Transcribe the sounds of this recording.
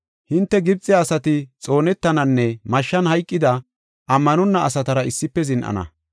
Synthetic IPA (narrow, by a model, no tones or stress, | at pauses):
hɪnt̪ːɛɡɪb̚t͡sʼːɪjaːsɐt̪ɪt͡sʼo̞ːnɛt̪ːɐnɐnːɛmɐʃːɐnhɐjkʼːɪd̪ɐ | ʔɐmːɐnɔnːɐʔːsɐt̪ɐɾɐɪsːɪpːɛzɪnʔɐ̰nɐ̰